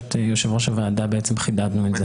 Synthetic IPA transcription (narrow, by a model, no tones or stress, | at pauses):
t̪ejoʃevʁoʃavaːd̪abeet͡semχid̪ad̪nueze